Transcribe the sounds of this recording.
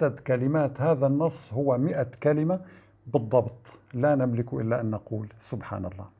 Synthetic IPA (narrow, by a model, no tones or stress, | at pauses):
ad̪kalɪmaːt̪haːðanːɑsˤːhʊwːamɪʔakalɪma | bɨd̪ˤːɑbt̪ˤlanɪmlɪkʊʔɪ̰lːaʔanːɑquːlsʊbħa̰ːnɑlˤːɑ̰ː